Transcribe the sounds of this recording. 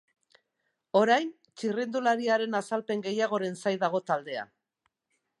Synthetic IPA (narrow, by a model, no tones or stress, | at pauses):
o̞ɾajn | t͡ʃirind̪ulaɾiaɾe̞nasalpe̞ŋɡe̞jaɣ̞o̞ɾe̞nsajðaɣ̞o̞t̪ald̪e̞a̰